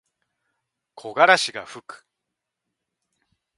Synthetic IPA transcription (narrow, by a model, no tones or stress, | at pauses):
kʰo̞ɡaɾaɕiɡaɸɯ̟kɯ̟̥